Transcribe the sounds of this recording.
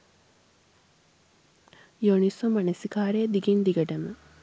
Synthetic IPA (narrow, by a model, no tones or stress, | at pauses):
joɳisɐmːɐnɐsikaːɾed̪iɡind̪iɡɐʈɐmɨ